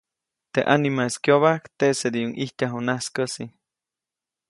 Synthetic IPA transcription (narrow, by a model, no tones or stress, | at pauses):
t̪eʔanimaskjoβakt̪esed̪iuŋʔiht̪aɦonaskəsi